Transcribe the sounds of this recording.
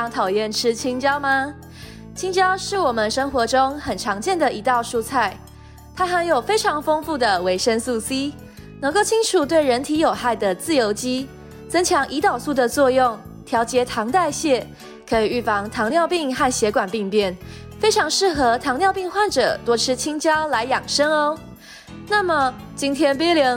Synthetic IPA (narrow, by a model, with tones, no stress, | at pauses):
ŋt̪ʰɑ˨˩ʊjɛ˥˩nʈ͡ʂʰɻ̩˥t͡ɕʰi˥ŋt͡ɕjɑ˥ʊma˨ | t͡ɕʰi˥ŋt͡ɕjɑ˥ʊʂɻ̩˥˩wɔ˨˩mə˦nʂə˥ŋxwɔ˧˥ʈ͡ʂʊ˥ŋxə˨˩nʈ͡ʂʰɑ˧˥ŋt͡ɕjɛ˥˩nd̪ə˨ʔi˧˥t̪ɑ˥˧ʊʂu˥˧t͡sʰa˥˩ɪ | t̪ʰa˥xa˧˥njo˨˩ʊfe˥ɪʈ͡ʂʰɑ˧˥ŋfo˥ŋfu˥˩d̪ə˩we˧˥ɪʂə˥nsu˥˩si˥ | nɤ˧˥ŋko˥˩ʊt͡ɕʰi˥ŋʈ͡ʂʰu˨˩t̪we˥˩ɪɻə˧˥nt̪ʰi˧˥jo˨˩ʊxa˥˩ɪd̪ə˩t͡sɹ̩˥˩jo˧˥ʊt͡ɕi˥ | t͡sɤ˥ŋt͡ɕʰjɑ˧˥ŋʔi˧˥t̪ɑ˨˩ʊsu˥˩d̪ə˨t͡swɔ˥˧jʊ˥˩ŋ | t̪ʰjɑ˧˥ʊt͡ɕjɛ˧˥t̪ʰɑ˧˥ŋt̪a˥˧ɪɕjɛ˥˩ | kʰɤ˧˥i˨˩y˥˩fɑ˧˥ŋt̪ʰɑ˧˥ŋnjɑ˥˧ʊpi˥˧ŋxa˥˩nɕjɛ˧˥kwa˨˩npi˥˧ŋpjɛ˥˩n | fe˥ɪʈ͡ʂʰɑ˧˥ŋʂɻ̩˥˩xɤ˧˦t̪ʰɑ˧˥ŋnjɑ˥˧ʊpi˥˧ŋxwa˥˩nʈ͡ʂɤ̰˨˩t̪wɔ˥ʈ͡ʂʰɻ̩˥t͡ɕʰi˥ŋt͡ɕjɑ˥ʊla˧˥ɪjɑ˨˩ŋʂə˥ŋo˧ | na˥˩mə˨˩ | t͡ɕi˥nt̪ʰjɛ˥npi˥lji˧˥